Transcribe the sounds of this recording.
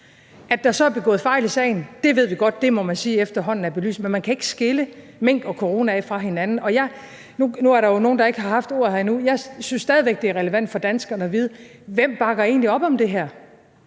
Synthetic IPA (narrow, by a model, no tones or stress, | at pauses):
ʔæd̥ɑsɒ̽æɐbe̝ɡ̥ɔ̽ːð̩ˠfɑ̈ɪlisɛ̰ɪn̩d̥e̝ʋe̝ð̞̰ˠʋiɡ̥ɒ̽d̥ːe̝mɒ̽mænsiːefd̥ɐɦɒ̽n̰n̩æɐb̥e̝ly̰ːsmenmænkʰæe̝ɡ̥ə̥sɡ̥e̝lə | meŋ̰ɡ̥ɒ̽kʰoʁo̝ːnæɛfʁɑ̈ɦe̝nænn̩ɒ̽jɑ̈ɪ | nunuæɐɾɑ̈jo̝no̝ːn̩d̥ɑ̈e̝ɡ̥əɦɑ̈hɑ̈fd̥o̝ɐ̰ðˠhæɐinujɑ̈ɪsynsd̥ɛːð̞ˠiʋeɡ̥̚d̥e̝æɐʁɛləʋæn̰d̥fɒ̽d̥ænsɡ̥ɐnəɒ̽ʋið̞ˠə | ʋem̰b̥ɑ̈ɡ̥ɐe̝̰ːnliɒ̽b̥ɒ̽md̥e̝ɦæɐ̰